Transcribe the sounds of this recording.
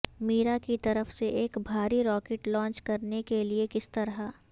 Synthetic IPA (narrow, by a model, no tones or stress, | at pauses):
miːɾakit̪ɐɾəfseʔeːkbʱaːɾiɾɔːkeːʈlɔ̃ːnt͡ʃkɐɾnekeliekɪst̪ɐɾɦa